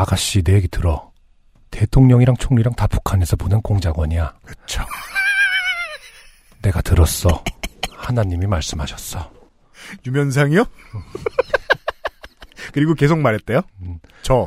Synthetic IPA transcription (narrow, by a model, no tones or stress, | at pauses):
aɡaɕ͈ine̞ɡetɯɾʌ | te̞tʰoŋɲʌŋiɾaŋt͡ɕʰoŋɲiɾaŋtapʰu̥kʰanesʰʌponɯnkoŋd͡ʑaɡwʌɲiakɯt͡ɕʰo̥ | ne̞ɡatɯɾʌs͈ʌhanaɲimimaɭs͈ɯmɦaɕʰʌ̥s͈ʌ | jumjʌns̬ʰaŋio | kɯɾiɡoke̞s̬ʰoŋmaɾet̚t͈ejot͡ɕʰo